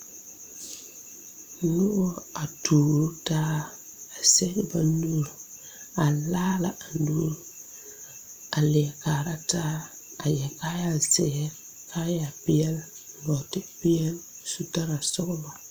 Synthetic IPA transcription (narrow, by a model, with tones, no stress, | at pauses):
nʊ˦wo˦a˨tuː˨ɾu˦taː˦ | a˨se˦kba˦n˦du˦ɾ | a˨laː˦la˨ʔa˨nduː˦ɾ | a˨li˨ɛ˨kaː˨ɾa˦taː˦ | a˨jɛ˨ka˦ja˦sɛ˨ɡɛ˦ | ka˦ja˨pɪ˦ɛ˦l | ɡɔ˨tɪ˦pi˦jɛ˦l | su˨ta˦ɾa˨sɔ˦kba˨